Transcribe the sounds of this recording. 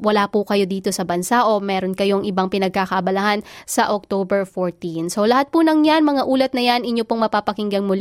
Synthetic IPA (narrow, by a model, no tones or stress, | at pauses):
wɐlapʊkɐjo̞d̪iːt̪o̞sɐbɐnsaʔo̞mɛːɾonkɐjo̞ŋʔɪbaŋpɪnɐɡ̚kaːkɐʔɐbɐlɐhansɐʔok̚t̪oːbɛɹfoɹt̪insolɐhat̪̚pʊnɐŋɲanmɐŋaʔuːlɐt̪̚nɐjanʔɪɲːopoŋmɐpapɐkɪŋɡɐŋmʊl